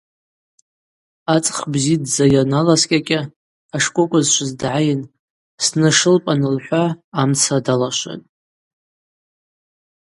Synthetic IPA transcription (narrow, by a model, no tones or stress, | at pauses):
at͡sʼχbzidd͡zajanalaskʲʼakʲʼɪ | aʂkʷʼʊkʷʼazʃʷɨzdʕajɪn | snɨʂɨlpʼanɨlħʷaːmt͡sʰadalaʃʷa̰n